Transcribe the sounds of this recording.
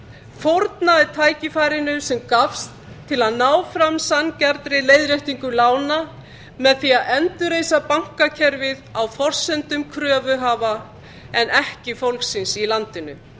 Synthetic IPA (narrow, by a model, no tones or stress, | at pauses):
foɾt̪naɛɾt̪ʰaːjcɪfaːjɾɪnʏsɛmkafst̪ʰːɪlaðnaːwfɾamsanːcɛɾt̪ɾɪleːjðɾejht̪iŋkʏlaːwna | mɛðθiaðɛnt̪ʏɾeːjsapawŋ̥kacʰɛɾvɪðawfɔr̥sɛnt̪ʏmkʰɾœːvʏɦaːva | ɛnʔɛhcɪfowlksɪnsilant̪ɪnʏ